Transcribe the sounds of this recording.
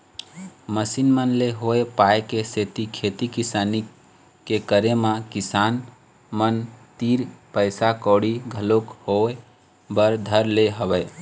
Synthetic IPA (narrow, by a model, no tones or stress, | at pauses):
məsinmənleɦoepaekeset̪ikʰet̪ikisani | kekəɾemakisan | mənt̪iɾpəjsakɔɽiɡʱəlokhoe | bəɾd̪ʱəɾleɦəʋɛ